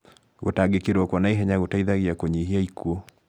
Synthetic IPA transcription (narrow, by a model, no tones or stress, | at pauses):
ɣotaɡekiɾɔkwɔnaeɦɛɲaɣotaiðaɣiakoɲiɦiaikuɔ